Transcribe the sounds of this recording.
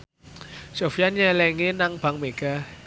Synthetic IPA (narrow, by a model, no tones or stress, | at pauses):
sofijanjalɛŋenaŋb̥a̤ŋmeɡ̥a